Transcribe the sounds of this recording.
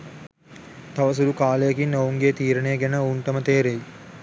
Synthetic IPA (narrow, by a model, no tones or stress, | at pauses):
t̪aʋəs̬uɾukaːlejɐkinːowuŋɡeːt̪iːɾəneːɡænəoːɳʈəmət̪eːɾej